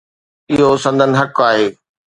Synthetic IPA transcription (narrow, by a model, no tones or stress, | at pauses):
ɪɦosɐ̃nd̪ʱənɪ̆ɦɐkaːɦeː